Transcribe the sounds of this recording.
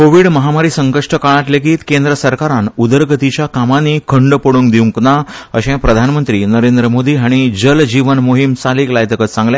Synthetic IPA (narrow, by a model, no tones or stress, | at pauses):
koʋiːɽməɦamaɾiːsəŋkəʂʈəkaɭat̪lekiːt̪kend̪ɾəsəɾkaɾanud̪əɾɡət̪it͡ɕjakamanikʰəɳɖpəɽũnɡd̪iwŋknaəɕẽpɾəd̪ʱanmənt̪ɾiːnəɾend̪ɾəmod̪iːɦaɽ̃id͡ʑəld͡ʑiʋənmoɦimsaliːklajt̪əkət̪sãŋɡljã